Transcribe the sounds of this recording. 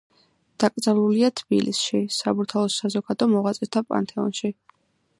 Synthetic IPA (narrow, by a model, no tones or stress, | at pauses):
d̪̥akʼɾd̪zalˠuliat̪ʰb̥ḭlḭsʃisabuɾt̪ʰalˠɔsazɔkʰad̪ɔmɔʁat̪sʼɛt̪ʰapʼa̰nt̪ʰʼɛɔ̰nʃi